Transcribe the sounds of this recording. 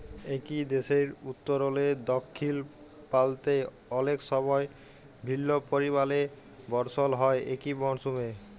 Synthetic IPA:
ekid̪eʃeɾut̪ːoɾoled̪ɔkʰːil | palt̪e | ɔlekʃɔbɔe | bʱilːopoɾiβale | bɔɾsolɦɔeʔekibɔnsume

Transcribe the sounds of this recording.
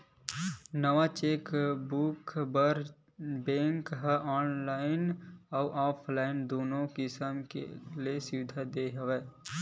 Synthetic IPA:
nəʋat͡ʃeːkbʊkbəɾ | bẽːŋkɦəʔɔːnlaːɪnɔːʔaːpʰlaːɪnd̪oːnõkɪsəmkḛliesɪʋɪd̪ʱad̪eɦəʋeː

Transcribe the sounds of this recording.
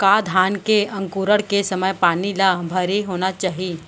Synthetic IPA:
kaːd̪ʱaːnkeɐ̃ŋkuːɾəɽkesɐməjpaːnilabʱɐɾiɦoːnat͡ʃaːɦi

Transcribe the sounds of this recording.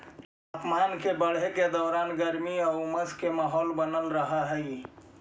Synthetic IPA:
t̪aːpmaːnkebəɽ̤eked̪ɔːɾaːnɡəɾmiɔməskemaɦɔːlbənəlɾəɦaɦɛi

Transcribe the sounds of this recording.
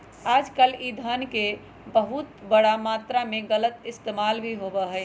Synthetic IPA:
ad͡ʒkəlid̪ʱənke | bəɦut̪bəɽamat̪ɾameɡələt̪ɪst̪emalbʱiɦobəɦəɪ

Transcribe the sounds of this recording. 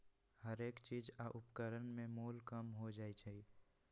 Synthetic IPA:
həɾeːkt͡ʃiːd͡ʒaʔʊpkəɾənmẽmuːlkəmɦod͡ʒaːit͡ʃʰɛi

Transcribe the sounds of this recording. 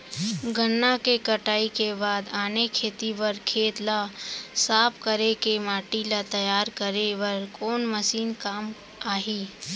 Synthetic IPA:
ɡənːakekəʈaːikebaːd̪aːnekʰeːt̪iʋɐɾkʰeːt̪lasaːpʰkəɾekemaːʈilat̪ɐjaːɾkəɾeʋɐɾkoːnməsiːnkaːm | aːɦiː

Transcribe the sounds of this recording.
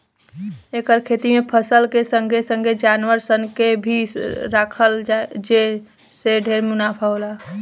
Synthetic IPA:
ekəɾkʰet̪imepʰəsəlkesə̃ŋɡʱesə̃ŋɡʱed͡ʒanʋəɾsənkebʱiɾakʰəlad͡ʒe | seɖʱeɾmunapʰəola

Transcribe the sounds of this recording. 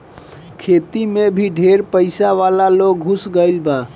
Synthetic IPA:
kʰet̪imebʱiɖʱeɾpəɪsaʋalaloɡ̚ɦusɡəɪlba

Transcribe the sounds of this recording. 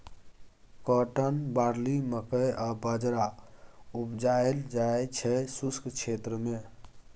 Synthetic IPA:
kəʈənbaɾliməkəjabəd͡ʒɾa | upd͡ʒaeld͡ʒaet͡ʃʰɛsuskt͡ʃʰet̪ɾəme

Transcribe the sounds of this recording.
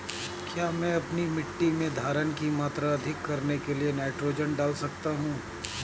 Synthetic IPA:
kjaːmɛ̃ɐpnimɪʈːimẽd̪ʱaːɾənkimaːt̪ɾaɐd̪ʱɪkːɐɾnekelienaːɪʈɾoːd͡ʒənɖaːlsɐk̚t̪aɦũː

